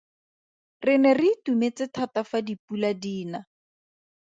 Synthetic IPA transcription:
rɪnɛrɪtumet͡sɪtʰatafadipuladiːna

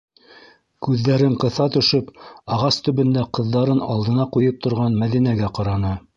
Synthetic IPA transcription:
kʉðːæɾɘɴqɤ̆θɑt̪ɵ̆ʃɵpɑʁɑst̪ɵ̆βɵ̆nd̪æqɤ̆ðːɑɾɤnɑ̰lˠd̪ɤ̆nɑqujɤp̚t̪ŏɾʁɑnmæðinæɡæqɑɾɑnɤ

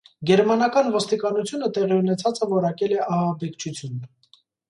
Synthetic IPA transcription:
ɡɛɾmɑnɑkɑnvɔst̪ikɑnut͡sʰjunət̪ɛʁiunɛt͡sʰɑt͡səvɔɾɑkɛlɛʔɑhɑbɛkt͡ʃʰut͡sʰjunə

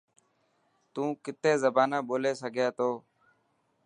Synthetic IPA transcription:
t̪ũːkɪt̪eːzəbaːnaːɓoːleːsəɡʱjaːt̪oː

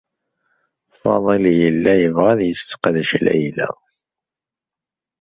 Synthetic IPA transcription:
fɑ̰ðˤeljəlːæjəvʁæðjəst̪qðʃlæ̰jlæ̰

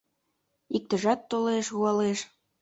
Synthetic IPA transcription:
ik̚t̪ə̆ʒɑt̪ːoleʃɣuɑleʃ

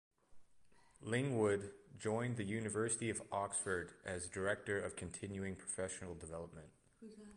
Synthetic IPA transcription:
lɪ̃ŋwʊdd͡ʒɔ̃ɪ̃nðɨjʉnɨvɜ˞sɨɾiʌvɑksfə˞ɾɨzdə˞ɛk̚tə˞ʌv̥kʰɨ̃ntʰɪ̃njʉɪ̃ŋpʰɹ̥ə̥fɛʃn̩l̩ˠdəvɛlˠəp̚mɨ̃nt̚

